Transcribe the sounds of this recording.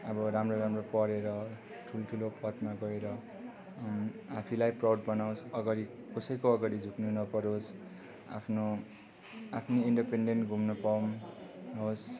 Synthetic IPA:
ʌbʌɾamroɾamropʌɾeɾʌ | ʈʰuloʈʰulopʌt̪maɡʌeɾʌ | apʰilajprawɖbʌnawsʌɡaɾi | kʌsʌjkoʌɡaɾid͡zʱuknunʌpʌɾos | a̰pʰno | apʰniiɳɖipeɳɖenʈɡʱumnʌpawmɦos

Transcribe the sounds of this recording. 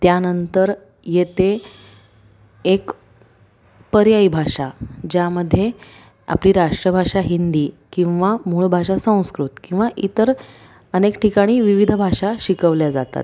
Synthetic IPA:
t̪janənt̪əɾ | jet̪e | ek | pəɾjaibʱaʂad͡ʑjaməd̪ʱːje | a̰pliːɾaʂʈɾəbʱaʂaɦind̪iːkĩw̃ʋamuɭbʱaʂasə̃w̃skɾut̪kĩw̃ʋaʔit̪əɾ | ənekʈʰikaɽ̃iːʋiʋid̪ʱbʱaʂaɕikəʋljad͡za̰t̪a̰t̪̚

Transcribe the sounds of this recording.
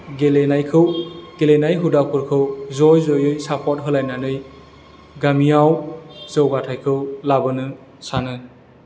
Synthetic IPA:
ɡelenajkʰɯwɡ̥elenajɦudapʰuɾkʰɯwzɔjzɔjɯjsapʰɔt̚ɦɯlajnanɯj | ɡamijawzɯwɡatʰajkʰɯwlabɯnɯ | sanɯ

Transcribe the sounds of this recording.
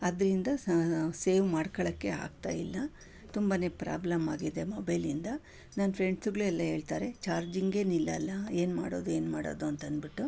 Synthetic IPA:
ɐd̪ɾind̪ɐse̞ːʋmaːɽkɔɭɐkːe̞a̰ːɡ̚t̪a̰ːjilːɐ | t̪umbaːne̞ːpɾa̰ːblɐmaːɡid̪emɐbɐlind̪ɐ | naːnpʰɾe̞ɳɖsuɡɭuɛlːɐɦe̞ːɭt̪aːɾe̞t͡ʃaːɾd͡ʒiŋɡe̞ːnilːɐlːɐe̞ːnmaːɽo̞ːd̪ue̞ːnmaːɽoːd̪uɐnt̪ɐnd̪biʈːu

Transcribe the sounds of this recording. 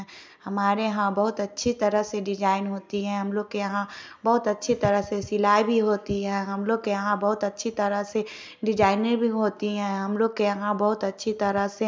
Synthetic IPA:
hɐmaːɾeɦãbɐɦʊt̪ɐtːʃʰit̪ɐɾəɦseɖɪd͡ʒaːɪnɦoːt̪iɦɛ̃ɦɐmloːɡ̚keɐɦãbɐɦʊt̪ɐtːʃʰit̪ɐɾəɦsesɪlaːibʱiɦoːt̪iɦɛ̃ːɦɐmloːɡ̚keɐɦãbɐɦʊt̪ɐtːʃʰit̪ɐɾəɦse | ɖɪd͡ʒaːɪnəɾbʱiɦoːt̪iɦɛ̃ɦɐmloːɡ̚kejɐɦãbɐɦʊt̪ɐtːʃʰit̪ɐɾəɦse

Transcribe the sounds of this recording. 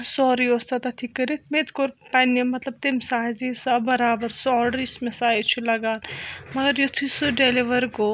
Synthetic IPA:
sɔːɾiost̪ɐt̪ɐt̪ʰikːɐɾit̪ʰmet̪koɾpɐnemɐt̪lɐb̚t̪emsaːɦd͡ʒisabɐɾaːbɐɾsɔːɖɾismesaːjt͡ʃʰulɐɡaːlmɐɡɐɾjot̪ʰusuɖeliʋɐɾko

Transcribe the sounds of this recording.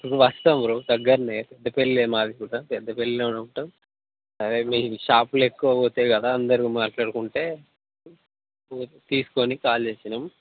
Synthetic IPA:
ukuʋɐst̪ɐmɾod̪ɐɡːɐɾɐneːpɛd̪ːɐpelːieːmaːd̪ikuːɽɐpɛd̪ːɐpelːeːunɐuʈɐm | sɐɾeːmiːʃaːplekːuʋɐoːt̪ekɐd̪aɐnd̪ɐɾiimaːʈlaːɽkuɳʈe̞ː | ot̪iːsu̥konikaːlt͡ʃeːsinɐm

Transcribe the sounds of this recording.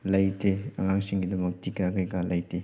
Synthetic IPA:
lɐjtʰeɐ̰ŋaŋsiŋɡidɐmɐk̚tikakajkalɐjtʰe

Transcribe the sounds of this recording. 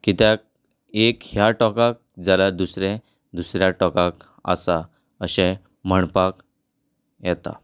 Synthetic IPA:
kit̪ak̚ | ekhjaʈɔkak̚d͡zalad̪usɾɛ | d̪usɾjaʈɔkak | ə̰sa | əɕɛ̃ | m̤əɳpak | jɛt̪a̰

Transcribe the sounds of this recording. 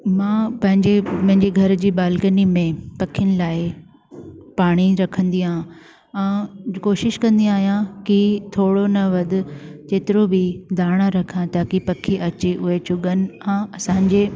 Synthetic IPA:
mãːpɐ̃ɦɪ̃ɲd͡ʑepɐ̃ɦɪ̃ɲd͡ʑeɡʱɐɾd͡ʑiːɓaːlkənimẽpɐkʰijənɪ̆laːɪ | paːɽ̃iɾɐkʰə̃nd̪iaɦã | ɛ̃ːkoːʃɪʃkɐ̃nd̪ĩaːɦijãkit̪ʰoːɽonɐʋɐd̪ʊ̆t͡ɕeːt̪ɪɾobɪd̪ʱaːɽ̃aɾɐkʰãt̪aːkipɐkʰiʔɐt͡ɕeʔʊɦet͡ɕʊɠənɪ̆ãːɐsãːɲ̆d͡ʑeː

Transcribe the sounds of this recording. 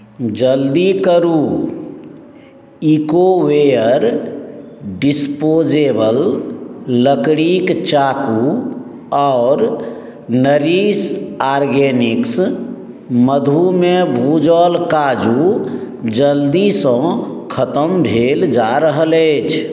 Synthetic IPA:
d͡ʒəld̪ikəɾu | ikowejəɾ | ɖispod͡ʒebəlː | əkɽikt͡ʃaku | ɔːɾ | nəɾisaɾɡeniks | məd̪ʱumebʱud͡ʒəlkad͡ʒu | d͡ʒəld̪isə̃kʰət̪əmbʱeld͡ʒaɾəɦələːt͡ʃʰ

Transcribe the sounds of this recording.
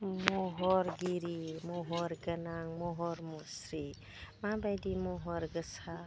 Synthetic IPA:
mɔɦɔɾɡiɾimɔɦɔɾɡənaŋmɔɦɔɾmɔsɾi | mabajdimɔɦɔɾɡəsa

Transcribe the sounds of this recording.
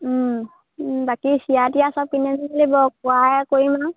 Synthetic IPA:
bakisiatijasapinɛnlibɔk̚wajkoɹima

